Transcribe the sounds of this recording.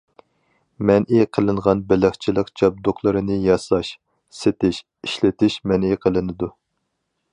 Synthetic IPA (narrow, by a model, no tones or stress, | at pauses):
mɛnʔiqʰəlˠɨɴʁɑnbɪlɪχt͡ʃʰilˠəqt͡ʃʰɑb̚d̪oχlˠɨɾɨnɨjɑslˠɑʃ | set̪ɪʃ | iʃlɪt̪ɪʃmɛniqʰəlˠɨnɨd̪u